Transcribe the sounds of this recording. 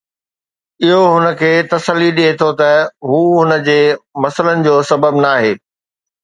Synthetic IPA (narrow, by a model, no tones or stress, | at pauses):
ɪɦoɦʊnə̆kʰeːt̪ɐsəlːiɗiɦet̪ʰot̪ɐɦuːɦʊnə̆d͡ʑeːmɐsələnɪ̆d͡ʑoːsɐbəbnaːɦeː